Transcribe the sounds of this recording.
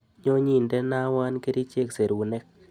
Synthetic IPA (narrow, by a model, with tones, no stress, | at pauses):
ɲo˦ɲi˦˨nde˦na˦wa˦nke˦ɾi˦t͡ʃe˦kse˨ɾwu˨ne˦k̚